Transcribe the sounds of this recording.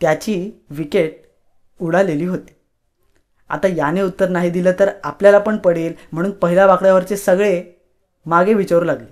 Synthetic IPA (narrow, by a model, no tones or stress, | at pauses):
t̪jat͡ɕiːʋikeʈ̚ | uɽaleliːɦot̪i̥ː | a̰t̪ajaneut̪ːəɾnaɦid̪iləːt̪əɾapljalapəɳpəɽeːlm̤əɽ̃uːnpəɦilaʋakɭjaʋəɾt͡ɕesəɡɭe | maɡʱeʋit͡ɕaɾuːlaɡliː